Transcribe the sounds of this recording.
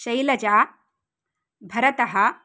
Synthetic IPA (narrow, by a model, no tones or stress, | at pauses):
ɕɐjlɐd͡ʒaː | bʱɐɾɐt̪ɐɦɐ